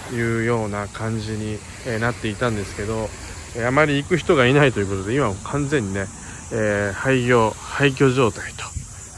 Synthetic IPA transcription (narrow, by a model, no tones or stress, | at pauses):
jɯ̟ːjo̞ːnakãɲ̟d͡ʑiɲ̟i | nat̪ːe̞it̪ãnd̪e̞sɨ̥ke̞d̪o̞ | eamaɾʲiːkɯ̟çi̥t̪o̞ɡainait̪o̞jɯ̟ko̞t̪o̞d̪e̞imamokʰãnd͡zẽ̞ɲ̟ːine̞ | eːhaikʲo̞ːhaik̬ʲo̞ːʑo̞ːt̪ai̥t̪o̥